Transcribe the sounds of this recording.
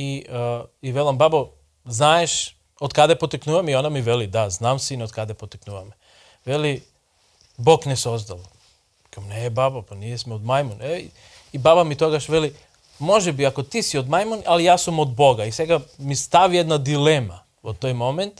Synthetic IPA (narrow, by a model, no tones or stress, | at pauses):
i | iʋelambabo | znajeʃ | od̪kad̪epot̪iknuːʋamionamiʋelid̪aznaːmsinod̪kad̪epot̪iknuːʋam | ʋeli | boknesozd̪al | kamnebabopanijesmeod̪majmone | ibabamit̪oɡaʃʋeli | mo̞ʒɛbiako̞t̪isiod̪majmonalijaːsomod̪bo̞ɡaisʋeɡamist̪aʋijed̪nad̪ilema | ot̪ːojmoment̪